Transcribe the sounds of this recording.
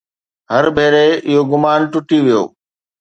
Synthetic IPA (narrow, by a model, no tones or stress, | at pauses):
ɦɐɾbʱeːɾeɪɦoɡʊmaːnʈʊʈiʋijo̰ː